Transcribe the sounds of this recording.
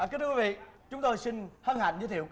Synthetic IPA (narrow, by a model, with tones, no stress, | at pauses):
kt̪ʰɨ˧wvḭ˧˨t͡ɕʊ˨˦ŋ͡mt̪o˧jsi˧ŋ̟hə˧nha̰˧˨jŋ̟zɨ˧˦t̪ʰḭ˧˨wk